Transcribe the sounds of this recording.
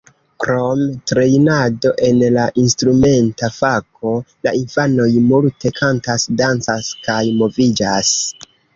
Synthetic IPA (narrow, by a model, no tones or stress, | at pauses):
kɾo̞mtɾe̞jnado̞ʔe̞nlaʔinstɾume̞ntafakʰo̞la̰infano̞jmultʰe̞kʰantasdant͡saskajmo̞vid͡ʒas